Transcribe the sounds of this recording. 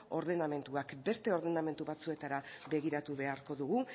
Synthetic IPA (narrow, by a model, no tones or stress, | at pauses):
o̞ɾðe̞name̞nt̪uakbe̞st̪e̞o̞ɾðename̞nt̪uβat͡sue̞t̪aɾaβe̞ɣiɾat̪uβe̞aɾko̞ðuɣ̞u